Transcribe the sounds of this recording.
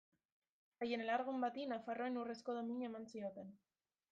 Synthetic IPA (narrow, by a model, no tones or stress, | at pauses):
aje̞ne̞laɾɣumbat̪inafaro̞e̞nure̞sko̞ðo̞miɲe̞mansio̞t̪e̞n